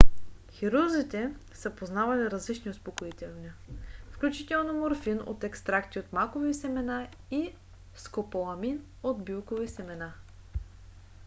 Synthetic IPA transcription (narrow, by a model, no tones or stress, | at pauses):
xiɾuzit̪ɛsəpoznavɐliɾɐzlit͡ʃniʊspokoit̪ɛlˠniəfklʲut͡ʃit̪ɛlˠnomoɾfino̰t̪ɛkst̪ɾakt̪iot̪makovisɛmɛna | i | skopolˠɐmin | od̪bilˠkovisɛmɛna